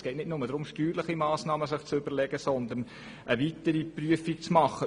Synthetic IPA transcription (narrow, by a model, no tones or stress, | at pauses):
sɡ̥ɛːtnɪtnʊməd̥̪ɾʊmʃtyːɾləχimɑːsnɑːməsɪχt͡sʏb̥əɾlɛɡ̥əsɔnd̪ən | ʔəʋit̪əɾipryəfik̚t͡smɑχə